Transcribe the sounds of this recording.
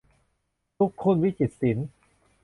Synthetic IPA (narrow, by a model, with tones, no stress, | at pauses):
t̪ʰu˦˥kʰːo˧˥˨nwi˦˥t͡ɕi˨˩t̪̚si˩˦n